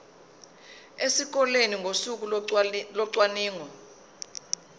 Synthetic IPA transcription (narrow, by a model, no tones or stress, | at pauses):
esik̬ɔleniŋɡʱosuk̬ulɔǀwaniːŋɔ